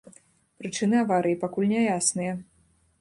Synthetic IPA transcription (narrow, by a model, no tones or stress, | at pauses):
pɾɨt͡ʂɨnɨavaɾɨjipakulʲnʲɛjasnɨjɐ